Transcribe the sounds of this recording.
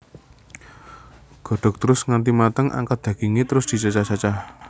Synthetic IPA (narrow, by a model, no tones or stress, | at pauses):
ɡ̥ɔ̤ɖ̥ɔ̤k̚t̪əɾʊsŋant̪imat̪əŋʔa̰ŋkad̪̥ä̤ɡ̥iŋet̪əɾʊsd̪̥i̤t͡ʃat͡ʃat͡ʃat͡ʃa